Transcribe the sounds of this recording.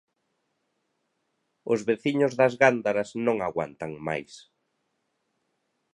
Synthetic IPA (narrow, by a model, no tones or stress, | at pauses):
ʊzβeθiɲʊzðɐzɣand̪aɾɐsnõŋaɣwa̰nt̪ɐŋma̰js